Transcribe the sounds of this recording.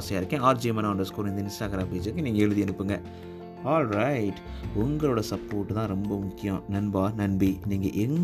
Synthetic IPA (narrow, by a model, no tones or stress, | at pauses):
sɐjaːɪɾɯkːẽːaːɾd͡ʒiːmɐnaːɳɖɐskoːɾɪ̃nd̪ɪnsaːkɐɾaːpeːd͡ʒɐɾkːɯniːŋɡɐɛɻɯðiɛnɯpːɯŋɡɐ | aːlɾɐɪʈ | ʊŋɡɐɭoːɽɐsɐpːoːɾʈːt̪ãːɾɔmbɐmʊkːɪjɐ̃nɐnbaːnɐnbiniːŋɡɐʔɛn